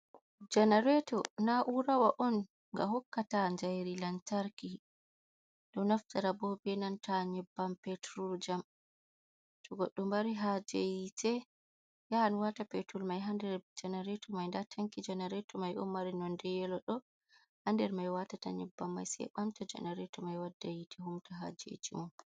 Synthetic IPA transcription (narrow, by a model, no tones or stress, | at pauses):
d͡ʒanaɾɛtɔnaʔuɾawaʔɔn | ŋɡa̰hɔkːataɲd͡ʒajɾilantaɾki | ɗɔnaftaɾabɔbɛnantaɲɛbːampɛtɾud͡ʒam | tɔɡɔɗːɔmbaɾiɦad͡ʒejitʰɛ | jaanwatapetulmajɦandɛɾd͡ʒɛnaɾɛtɔmajndatʰaŋkid͡ʒɛnaɾɛtɔmajɔmaɾinɔndɛjɛlɔɗɔ | handɛɾmajwatata̰ɲɛbːamːa̰jsɛ̰jɓamtɔd͡ʒɛ̰naɾɛtɔmajwadːajitʰɛhumtaɦa̰d͡ʒḛtḭmɔ